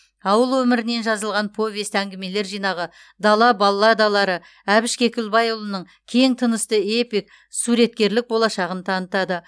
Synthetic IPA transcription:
ɑwəlˠwɵmɪɾɪne̞nʒɑzəlˠʁɑnpʰo̞vʲest̪æŋɡʲɪme̞le̞ɾʒijnɑʁə | d̪ɑlˠɑbɑlˠːɑd̪ɑlˠɑɾə | æbɪʃkʲe̞kʲɪlbɑjʊlˠənəɴ | kʲʰe̞ŋt̪ʰənəst̪əe̞pijk̚ | suɾe̞t̪̚kʲe̞ɾlɪk̚bo̞lˠɑʃɑʁənt̪ʰɑnət̪ɑd̪ə

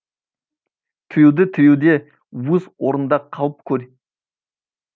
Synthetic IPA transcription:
t̪ʰʏjewd̪ɪt̪ʰʏjewd̪e̞ | wɵzwo̞ɾənd̪ɑqʰɑlˠəp̚kʲʰɵɾ

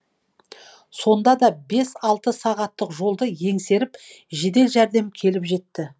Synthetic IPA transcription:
so̞nd̪ɑd̪ɑbe̞sɑlˠt̪əsɑʁɑt̪ːəqʒo̞lˠd̪əje̞ŋse̞ɾɪp | ʒe̞d̪e̞lʒæɾd̪e̞mkʲʰe̞lɪpʒe̞t̪ːɪ

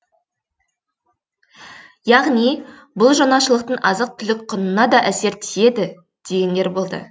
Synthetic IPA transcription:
jɑʁni | bʊlˠʒɑnɑʃəlˠəq̚t̪əɴɑzəq̚t̪ʰʏlɪk̚qʰːʊnənɑd̪ɑʔæse̞ɾt̪ʰie̞d̪ɪ | d̪̥e̞ɡʲe̞nd̪e̞ɾbo̞lˠd̪ə̰

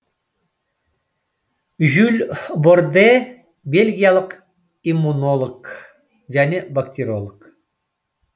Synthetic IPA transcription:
ʒylʲbord̪e | bʲelʲɡʲijalˠəq | imːunolˠək | ʒænʲebɐkt̪ʲeɾʲolˠək

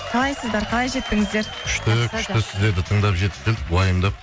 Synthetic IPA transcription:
qʰɑlˠɑjsəzd̪ɑɾqʰɑlˠɑjʒe̞t̪̚pɪŋɪzd̪e̞ɾkʲʰʏ̥ʃt̪ɪk̪ʰʲʏʃt̪ɪsɪzd̪e̞ɾd̪ɪt̪ʰəɴd̪ɑpʒe̞t̪ɪ̥p̚ʲelɪkwɑjəmd̪ɑp

